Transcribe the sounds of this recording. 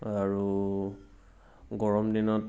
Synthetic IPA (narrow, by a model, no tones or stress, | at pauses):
aɹu | ɡɔɹɔmdinɔt